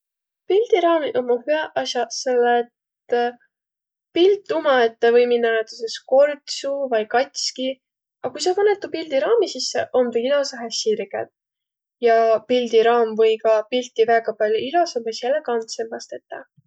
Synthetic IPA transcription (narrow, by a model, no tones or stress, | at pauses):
pild̪̥iɾɑːmiʔomːohyæʔɑsjɑselːet̪ | pilt̪ːˑumɑet̪ːevɤjminːɑnet̪ːusesko̞rt̪suvɑjkɑt̪ʲski | ɑkujs̬emɤnet̪ːupild̪̥iɾɑːmisisːḛʔomd̪eilɑsɑɦeɕirɡ̥ḛd̪ | jɑpild̪̥iɾɑːmvɤjkɑpilt̪ːivæːɡ̥ɑpɑlʲjoilɑsɑmbesjelekɑnt̪semːɑst̪et̪ːɑ